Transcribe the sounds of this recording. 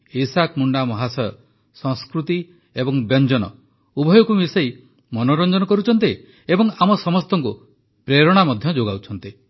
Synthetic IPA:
isakmuɳɖamɔɦasɔjɔ | sɔ̃ŋskɾut̪i | ebɔŋbjɔnd͡ʒɔnɔ | ubʱɔjɔkumisɔi | mɔnɔɾɔnd͡ʒɔnɔkɔɾut͡ʃʰɔnt̪i | ebɔŋamɔsɔmɔst̪ɔŋku | pɾeɾɔɽ̃amɔd̪ʱjɔd͡ʒoɡawt͡ʃʰɔnt̪i

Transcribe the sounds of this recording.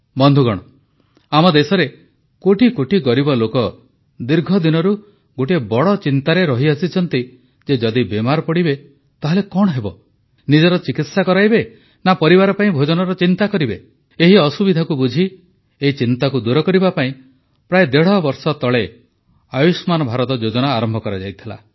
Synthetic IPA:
bɔnd̪ʱuɡɔɽ̃ɔ | amɔd̪esɔɾe | koʈikoʈikɔɾibɔlokɔ | d̪iɾɡʱɔd̪inɔɾu | ɡoʈ̬iebɔɽɔt͡ʃint̪aɾeɾɔɦiasit͡ʃʰɔnt̪i | d͡ʒed͡ʒɔd̪ibemaɾɔpɔɽibe | t̪aɦelekɔɽ̃ɔɦebɔ̰ | nid͡ʒɔɾɔt͡ʃikit̪sakɔɾajbe | napɔɾiβaɾɔpaĩbʱod͡ʒɔnɔɾɔt͡ʃint̪akɔɾibe | eɦiɔsubid̪ʱakubud͡ʒʱi | eit͡ʃint̪akud̪uɾɔkɔɾibapaĩ | pɾaed̪eɽ̤ɔbɔɾsɔt̪ɔɭe | ajusmanɔbʱaɾɔt̪ɔd͡ʒod͡ʒɔnaːɾɔmbʱɔkɔɾad͡ʒajt̪ʰila̰

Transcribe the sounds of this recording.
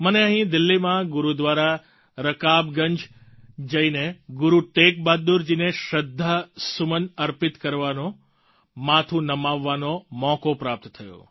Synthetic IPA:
məneəɦĩd̪ɪlːimãɡʊɾud̪ʋaɾa | ɾəkabɡəɲd͡ʒ | d͡ʒəineɡʊɾuʈek̚bad̪ːuɾd͡ʒineʃəd̪ʱːəsʊmənəɾpɪt̪kəɾʋano | mat̪ʰunəmaʋːanomɔkopɾap̚t̪t̪ʰəjo̰

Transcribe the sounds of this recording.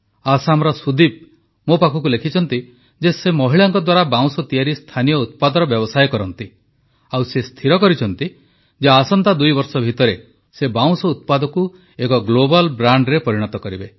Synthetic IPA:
asamɔɾɔsud̪ib̚ | mopakʰɔkulekʰit͡ʃʰɔnt̪i | d͡ʒesemɔɦiɭaŋkɔd̪waɾabaw̃sɔt̪ijaɾist̪ʰanijɔut̪̚pad̪ɔɾɔbjɔbɔsajkɔɾɔnt̪i | awsest̪ʰiɾɔkɔɾit͡ʃʰɔnt̪i | d͡ʒeasɔnt̪ad̪ujbɔɾsɔbʱit̪ɔɾe | sebaw̃sɔut̪̚pad̪ɔku | ekɔɡlobalbɾaɳɖɾepɔɾiɽ̃ɔt̪ɔkɔɾibe

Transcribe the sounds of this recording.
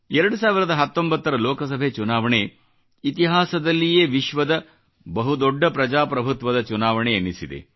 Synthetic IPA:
ɛɾɐɽusaːʋiɾɐd̪ɐɦɐt̪ːombɐt̪ːɐɾɐloːkɐsɐbʱet͡ʃunaːʋɐɳe | it̪iɦaːsɐd̪ɐlːijeːʋiʃʋɐd̪ɐ | bɐɦud̪oɖʱːɐpɾɐd͡ʒaːpɾɐbʱut̪ʋɐd̪ɐt͡ʃunaːʋɐɳeɐnːisid̪ḛ

